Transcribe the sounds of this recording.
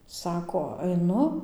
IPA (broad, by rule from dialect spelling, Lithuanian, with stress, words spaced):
ˈsɑːkoː ɐɪˈnʊ